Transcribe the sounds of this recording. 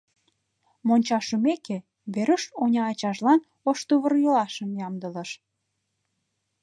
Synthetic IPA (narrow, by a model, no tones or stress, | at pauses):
monʲt͡ɕɑʃəmeke | βeɾəʃonʲɑːt͡ɕɑʃlɑn | oʃt̪uβə̆rjolɑʃə̆mjɑmd̪ələ̆ʃ